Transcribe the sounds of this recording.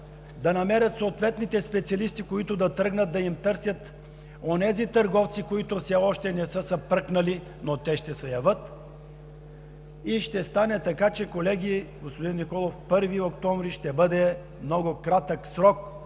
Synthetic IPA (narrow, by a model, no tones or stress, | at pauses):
d̪ɐnɐmɛɾʲət̪soːt̪vɛt̪nit̪ɛspɛt̪siɐlist̪ikoit̪ʊd̪ɐt̪ɾɤɡnət̪̚d̪ɐimt̪ɤɾsʲət̪ | onɛzit̪əɾɡɔft̪sikoit̪ofsɛɔʃt̪ɛnɛsɤsəpɾɤknɐli | not̪ɛʃt̪ɛsɛjɐvət̪ | iʃt̪ɛst̪anɛt̪ɐkat͡ʃɛkolɛɡʲiɡospod̪inmikɔlˠofpɤɾviokt̪ɔɱvɾiʃt̪ɛbɤd̪ɛ | mnɔɡʊkɾat̪əksɾɔk̚